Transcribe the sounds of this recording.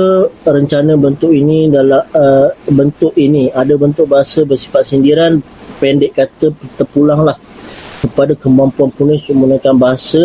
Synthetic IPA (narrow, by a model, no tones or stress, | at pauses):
əɾəɲt͡ʃanə̃bənt̪ʊʔinĩdalaəbənt̪ʊʔinĩadabənt̪ʊk̚baɦasəbərsi̥fat̪̚səndiɾan | pɛndɛʔkat̪əpət̪əpulaŋlah | kəpadakəmampuanpunʊsumunə̃kanbaɦasə